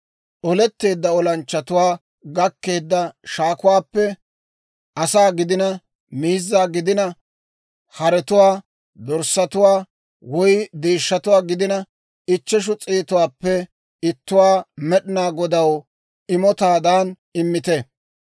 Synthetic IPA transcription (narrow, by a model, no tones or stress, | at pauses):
ʔɔlɛt̪ːe̞ːd̪ːɐɔlɐnt͡ʃːɐt̪ʊwaː | ɡɐkːe̞ːd̪ːɐʃaːkʊwaːpːɛ | ʔɐsaːɡɪd̪ɪnɐ | miːzːaːɡɪd̪ɪnɐ | hɐɾɛt̪ʊwaː | d̪ɔɾsɐt̪ʊwaː | wɔjd̪eːʃːɐt̪ʊwaːɡɪd̪ɪnɐ | ɪt͡ʃːɛʃ̬ʊt͡sʼiːt̪ʊwaːpːɛ | ɪt̪ːʊwaːmɛɗɪnaːɡɔd̪ɐw | ɪmɔt̪aːd̪aːn | ɪmːɪt̪ɛ